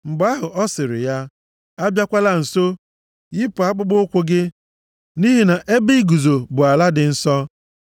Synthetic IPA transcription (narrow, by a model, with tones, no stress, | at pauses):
ŋ͡m̩˨ɡ͡ba˦ɦʊ˨ʔɔ˦sɪ˨ɾɪ̰˨ja˦ | a˦bja˦kʷa˦la˦n̩˨so˦ | i˦pʊ˨a˦k͡pʊ˦ɡ͡bʊ˦kʷʊ˦ɡɪ˦ | ni˦ɦi˨na˨ʔe˦bi˦ɡu˨zo˨bʊ˨a˨la˦dɪ˨n̩˦sɔ˦